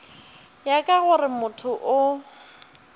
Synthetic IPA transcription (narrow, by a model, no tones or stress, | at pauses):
jakʼaɣʊrɪmʊtʰʊʔʊ